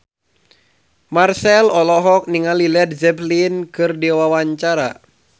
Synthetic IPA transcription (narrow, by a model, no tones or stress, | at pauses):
marsɛlɔlɔɦɔk̚niŋalilɛd̚zɛplinkɨrdiwawaɲt͡ʃaɾa